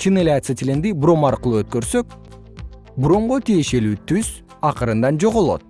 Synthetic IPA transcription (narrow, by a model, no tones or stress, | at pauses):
t͡ʃinelʲat̪sɨt̪ʲilend̪ibro̞mɑɾqɯlˠuøt̪̚kø̞ɾsø̞k̚ | bɾo̞mʁot̪ije̞ʃe̞lyːt̪yz̥ | ɑqɯɾɯnd̪ɑnd͡ʒo̞ʁolˠo̞̰t̪̚